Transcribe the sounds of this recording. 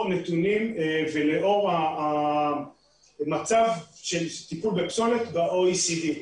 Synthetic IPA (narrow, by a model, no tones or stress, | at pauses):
net̪unimveleʔoʁaː | mat͡savʃelt̪ipulbepsolet̪baʔoisid̪i